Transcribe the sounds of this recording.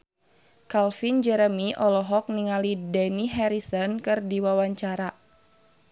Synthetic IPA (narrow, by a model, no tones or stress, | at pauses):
kalfind͡ʒɛɾəmiʔɔlɔɦɔk̚niŋalidɛniɦɛɾisɔnkɨrdiwawaɲt͡ʃaɾa